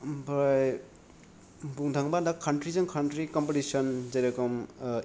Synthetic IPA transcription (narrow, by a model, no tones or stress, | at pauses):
bɾj | buŋdʱaŋbadakʰːantɾizɯŋkʰantɾikɔmpetisɔnzaɾakɔm